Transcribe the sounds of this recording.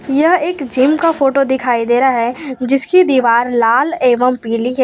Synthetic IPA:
jɐɦeːkd͡ʒɪmkafoːʈod̪ɪkʰaːid̪eːɾaɦɛd͡ʒɪskid̪iːʋaːɾlaːleːʋəmpiːliɦɛː

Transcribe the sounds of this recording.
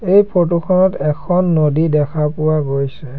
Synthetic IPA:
ejpʰotukʰɔnɔtɛkʰɔnːodidɛkʰapʊwaɡojsɛ

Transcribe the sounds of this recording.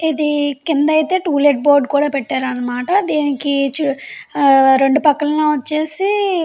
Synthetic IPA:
id̪ikind̪ɐjt̪e̞ːʈuːleʈ̚boːɾɖkuːɽaːpɛʈːaːɾɐnːɐmaːʈɐd̪eːnikit͡ʃu | ɾe̞ɳɖupɐkːɐlɐnoːʋɐt͡ʃːe̞ːsi

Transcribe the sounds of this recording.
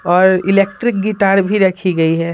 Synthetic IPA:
ɔːɾɪleːk̚ʈɾɪk̚ɡɪʈaːɾbʱiɾɐkʰiɡɐiɦɛː

